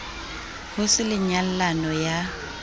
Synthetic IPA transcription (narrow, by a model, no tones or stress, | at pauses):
hʊsɪlɪɲal̩lanɔja